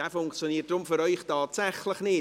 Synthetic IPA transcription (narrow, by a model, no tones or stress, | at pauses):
afʊŋkt͡sjɔniːəttrʊmfʏɾɔjχtʰaːtsɛχlˠəχnɪ